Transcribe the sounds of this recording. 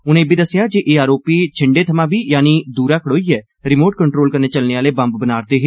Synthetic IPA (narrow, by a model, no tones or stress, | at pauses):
ʊnẽːbʱiːd̪əsːɪjaːd͡ʒeːʔeːaːɾoːpiːt͡ʃʰɪɳɖeːt̪ʰəmãːbiːjaːniːd̪uːɾaːkʰəɽoːiːɛː | ɾɪmoːʈ̚kəɳʈɾoːlkəɾneːt͡ʃəlneːaːleːbə̃mbbənaːɾt̪eːɦɪ